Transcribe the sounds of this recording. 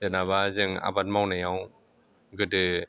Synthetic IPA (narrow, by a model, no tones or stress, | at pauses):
danabazɯŋa̰bat̚mawnajaw | ɡɯdɯ